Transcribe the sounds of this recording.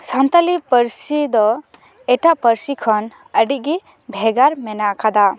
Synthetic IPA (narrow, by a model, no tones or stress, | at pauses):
sant̪alipəɾsid̪ɔ | ɛʈaʔpəɾsikʰɔn | əɖiʔ̚ɡi | bʱɛɡaɾmɛnakʰad̪a